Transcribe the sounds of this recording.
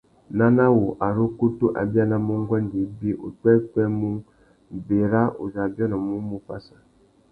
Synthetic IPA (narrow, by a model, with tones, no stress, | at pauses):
na˦na˦wo˨ʔa˨ɾo˦ku˦tu˦ʔa̰˨bja˦na˦mu˦ŋ˦ɡʷɛ˦n˨di˨˦bi˦ʔo̰˨tɛ˦k͡pɛ˦mu˦˨ | be˨ɾa˦ʔṵ˨za˨bjɔ˦nɔ˨mu˦mu˦pa˦sa˨